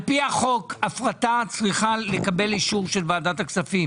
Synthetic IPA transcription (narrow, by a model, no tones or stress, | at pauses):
piaχo̞kafʁat̪at͡sʁiχale̞kabe̞liʃuʁʃe̞lvaːdat̪aksafim